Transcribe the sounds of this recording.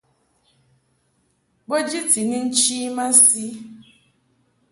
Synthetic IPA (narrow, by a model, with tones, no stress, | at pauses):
ɡ͡bo˦d͡ʒi˦ti˨ni˦n̩˦t͡ʃi˦ma˦si˦